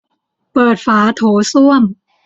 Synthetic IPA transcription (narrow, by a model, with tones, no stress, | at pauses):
pɤː˨˩t̪̚faː˩˦t̪ʰoː˩˦su˥˩əm